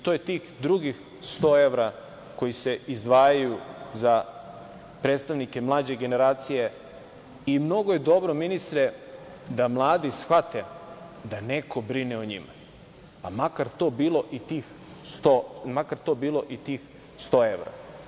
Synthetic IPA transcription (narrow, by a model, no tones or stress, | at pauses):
t̪ojet̪iːxd̪ɾuɡix | st̪o̞ːe̞ʋɾa | ko̞jise̞izd̪ʋaːjajuza | pɾet̪st̪aʋnikemlˠaːd͡ʑe̞ɡe̞ne̞ɾaːt̪sije̞ | imno̞ɡoje̞d̪o̞bɾominist̪ɾe | d̪amlˠaːd̪isxʋat̪e | d̪ane̞ko̞bɾineoɲḭma | amakaɾt̪o̞ːbiːlo̞ʔit̪iːx | st̪omakaɾt̪o̞biːlˠo̞ʔit̪iːx | st̪o̞ːe̞ʋɾa̰